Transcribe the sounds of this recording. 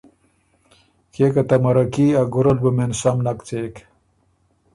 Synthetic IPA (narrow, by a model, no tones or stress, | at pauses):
keːkɐt̪ɐmɐɾɐkiːaɡuɾɐlbumensɐmnɐkt͡seːk